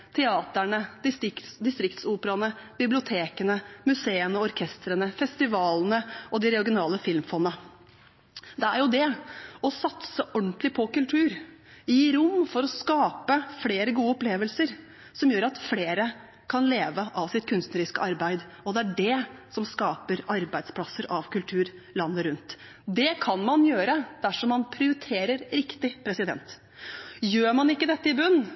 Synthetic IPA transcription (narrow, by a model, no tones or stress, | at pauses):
t̪ʰɛɑːt̪əɳəd̪ɪst̪ɪksd̪ɪst̪ɾɪkt̪suːpəɾɑnəb̥ɪblɪʊt̪ʰeːkənəmʉseːənəɔɔɾkʰɛst̪ɾənəfɛst̪ɪʋɑːlnəʔɔd̪ɪɾɛɔɾɡɪnɑːləfɪlmfɔnːə | d̪ɛæɾjʊd̪ɛɔsɑt̪səʔɔɳt̪lɪpʰɔkʉlt̪ʰʉːɾjiːɾʊmːfɔɾɔskɑːpəfleːɾəɡuːəɔpleːʋəlsəɾ | sɔmjøːɾɑt̪fleːɾə | kʰɑnleːʋəʔɑʋsɪt̪̚kʰʉnst̪nəɾɪskəʔɑɾbæɪd̪ | ɔd̪ɛæɖɛsɔmskɑːpəɾɑɾbæɪd̪spʰlɑsːəɾɑʋkʉlt̪ʰʉːɾlɑnːəɾʉnt̪ | d̪ɛkʰɑnmɑnjøːɾəd̪̥æʂɔmːɑnpʰɾɪʊɾɪt̪ʰeːɾəɾɾɪkt̪ɪpʰɾɛsɪd̪ɛ̰nt̪ | jøːɾmɑnɪkːəd̪ɛt̪ːəɪbʉnː